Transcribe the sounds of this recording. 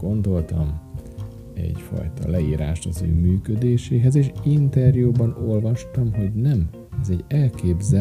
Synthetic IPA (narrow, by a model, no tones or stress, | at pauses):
ɡ̥o̞nd̪o̞lt̪ɒm | ɛ̰ɟfɒ̰jt̪ɒ̰lɛiːɾaːʃt̪ɒzø̰ːmyːkød̪eːʃeːɦɛzeːʃint̪ɛrjuːbɒno̞lvɒʃt̪ɒmɦo̞ɟnɛm | ɛzɛɟɛlkeːbzɛ